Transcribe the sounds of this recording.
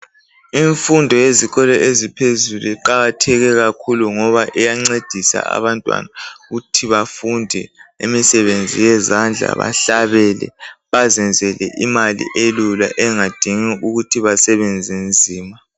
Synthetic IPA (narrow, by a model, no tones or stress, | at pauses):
iɱfundʱɔjeziɣʰɔlɛʔezipʰezuluiǃaɣatʰɛɣɛɣakʰuluŋɔβaʔɛjaŋ͡ǀed̥ʱisa̰a̰βantʼwa̰naɣutʰiβafundʱɛemisɛβend͡zʱijɛzand͡ɮʱa̰βa̰ɬaβɛlɛ̰βazɛnd͡zʱɛlɛ̰ʔimalḭʔelula̰ʔɛŋad̥ʱiŋiʔuɣutʰiβasɛβɛnd͡zʱind͡zʱiːma